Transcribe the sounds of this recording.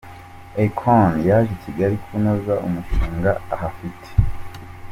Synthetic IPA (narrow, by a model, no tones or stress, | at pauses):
ekʰonjaʒiciɡaɾikʰunozaʔumuʃiːŋɡaaɦafitʰe̥